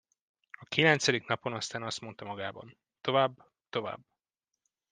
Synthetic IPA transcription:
ɒkilɛnt̪sɛd̪iknɒpo̞nɒst̪aːnɒst̪mo̞nt̪ɒmɒɡaːbɒ̰n | t̪o̞vaːbː | t̪o̞va̰ːbː

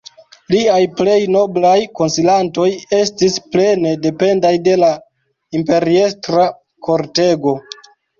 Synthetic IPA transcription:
liajple̞jno̞blajko̞nsilanto̞je̞stisple̞ne̞de̞pe̞ndajde̞la | impe̞ɾie̞stɾa | ko̞ɾte̞ɡo̞

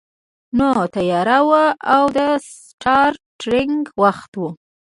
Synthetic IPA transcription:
not̪ajɑɾawaawd̪əs | ʈʰɑɾʈɾɪŋɡwaxt̪wu

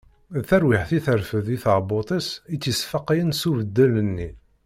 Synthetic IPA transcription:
θæɾwiħθiθəɾfəðiθəʁbot̪ˤisit͡sːəsfɑqːjənsuvəd̪ːələnːi

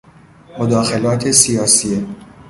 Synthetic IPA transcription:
mod̪ɒːxe̞lɒːt̪ʰesijɒːsie

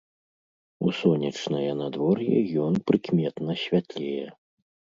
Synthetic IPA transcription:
usɔnʲɐt͡ʂnɐjɐnad̪vɔrjɛjɔnpɾɨkmʲɛt̪nɐɕʲvʲat̪lʲɛjɛ

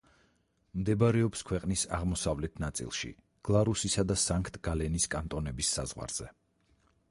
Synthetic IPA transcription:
md̪ɛbaɾɛɔpskʰwɛqʼnisa̰ʁmɔsavlɛt̪ʰnat̪sʼḭlˠʃḭ | ɡ̥lˠaɾusisad̪asaŋkʰt̪ʼɡ̥alɛniskʼant̪ʼɔnɛbisːa̰zʁwa̰ɾz̥ɛ

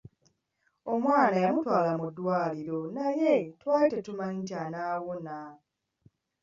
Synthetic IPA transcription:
omwaːnajamutwaːlamudːwaːliɾo̞najetwaːtetumantanaːwona

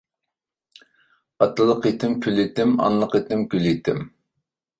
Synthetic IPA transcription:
ɑt̪ɨlˠəqit̪ʰɪmkʲʰylit̪ɪmɑ̰nlˠəqit̪ʰɪmkʲylit̪ʰɪm

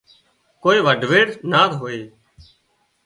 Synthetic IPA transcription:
koːeːʋəɖʱʋeːɽnaːt̪ɦoːeː

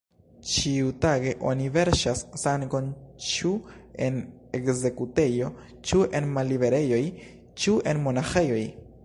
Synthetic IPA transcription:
t͡ʃiutaɡe̞ʔo̞̰nive̞ɾʃasːaŋɡo̞nt͡ʃue̞n | ekze̞kute̞jo̞ | t͡ʃuenmalːibe̞ɾe̞jo̞j | t͡ʃuʔe̞nmo̞naxe̞jo̞j

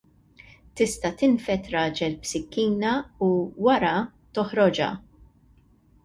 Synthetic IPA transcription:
t̪ɪst̪ɐt̪ɪnfɛt̪ɾɐːd͡ʒɛlbsɪkːiːnɐuwɐɾɐt̪ɔħɾɔd͡ʒɐ̰

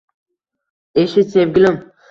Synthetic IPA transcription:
eʃɪsevɡʲɪlɪm

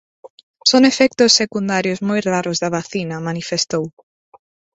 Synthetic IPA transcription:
soŋefɛk̚t̪ʊsːekund̪aɾjʊzmojraɾʊzðɐβaθinɐmanifest̪ow

